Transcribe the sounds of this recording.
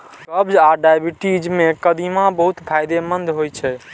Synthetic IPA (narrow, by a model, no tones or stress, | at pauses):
kəbd͡ʒaɖajbiʈid͡ʒmekəd̪imãbəɦut̪pʰajd̪emənd̪ʱɦojt͡ʃʰɛ